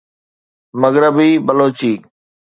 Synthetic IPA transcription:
məɣɾəbiːbəloːt͡ʃiː

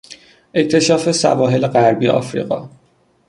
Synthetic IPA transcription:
ʔect̪ʰe̞ʃɒːfe̞sæ̰vɒːɦe̞leɣæɾbiːeʔɒ̰ːfɾḭɣɒ̰ː

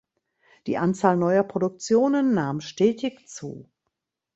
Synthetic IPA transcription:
d̥ḭːʔant͡saːlnɔʏɐpʁ̥odʊk̚t͡sjoːnənːaːmʃtɛːtɪçt͡sṵː

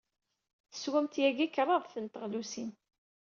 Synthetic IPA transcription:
θə̥swæmt̪jæɡikɾˤɑðˤθənt̪əʁlusin

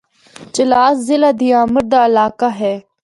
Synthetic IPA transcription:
t͡ʃɪlaːszɪlad̪ijaːməɾd̪aːlaːkaɦeː

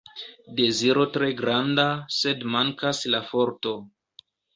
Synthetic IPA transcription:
de̞ziɾo̞tɾe̞ɡɾandase̞dmaŋkaslafo̞ɾto̞

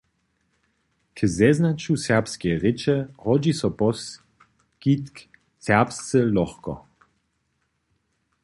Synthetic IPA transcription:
kʰzɛznat͡ʃusɛʁpskɛjʁɪt͡ʃɛhɔd͡ʑisɔpɔs | kit̪k | sɛɐpst͡səlɔxkɔ̰

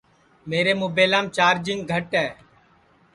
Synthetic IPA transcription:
meːɾeːmʊːbeːlaːmt͡ʃaːɾd͡ʒɪŋɡɡʱəʈɦɛː

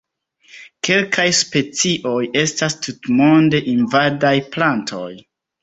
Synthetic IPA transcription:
ke̞lkʰajspe̞t͡siʔo̞je̞stastʰutmo̞nde̞ʔinvadajplantʰo̞j

